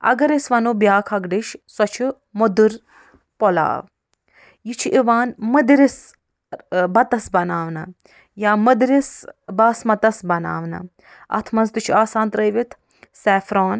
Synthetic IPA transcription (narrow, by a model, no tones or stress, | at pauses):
ɐ̰ɡɐɾesʋɐnuːbʲjaːkʰɐɡɖiʃsɔt͡ʃʰu | mod̪uɾ | pɔla̰ːʋ | jit͡ʃʰiʔiʋaːnmɐd̪ɾis | bɐt̪ɐsbɐnaːʋnɐ | jaːmɐd̪ɾisbaːsmɐt̪ɐsbɐna̰ːʋnɐ̰ | ɐ̰t̪ʰmɐnzt̪ut͡ʃʰiaːsãːnt̪ɾɐjʋit̪ʰ | sɛːfɾaːn